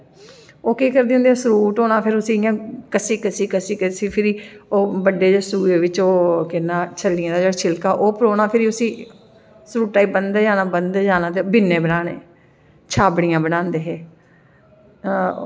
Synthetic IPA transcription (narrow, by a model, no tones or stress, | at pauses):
oːkiːkəɾd̪eːʊ̃nd̪eːɛːsɾuːʈoːnaːpʰɪɾʊsĩːɪjãːkəsiːkəsiːkəsiːkəsiːpʰɪɾiːoːbəɖeːd͡ʒeːsuːeːʋɪt͡ʃoːkɪnːãːt͡ʃʰəlːɪjãːd̪aːd͡ʒeːɽʃʰɪlkaːʔoːpəɾoːnaːpʰɪɾiːʊsĩː | sɾuːʈʈːaːiːbənd̪ed͡ʒaːnãːbənd̪eːd͡ʒaːnãːt̪ebɪnːẽːbənaːnḛː | t͡ʃʰaːbɽɪjãːbənãːnd̪eːɦeː